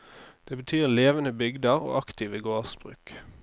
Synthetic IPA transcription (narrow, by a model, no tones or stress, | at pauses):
d̪̥eːbət̪ʰyːʁleːʋənəbʏɡd̪əʁo̰ːʔɑkt̪ʰiʋəɡoːʁsbʁʉ̰ːk